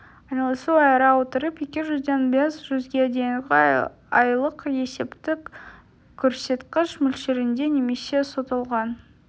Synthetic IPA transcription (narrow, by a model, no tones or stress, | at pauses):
ɑjnɑlˠsuɑjɾɑwot̪əɾəpje̞kʲɪʒʏzd̪e̞nbe̞sʒ̥ʏzɡʲed̪e̞jɪŋɡʲ | ɑjlˠəqje̞se̞pt̪ɪkʲ | kʲʰːɵɾse̞t̪qəʃmʏlʃeɾɪnd̪e̞ne̞me̞se̞sot̪əlˠʁɑn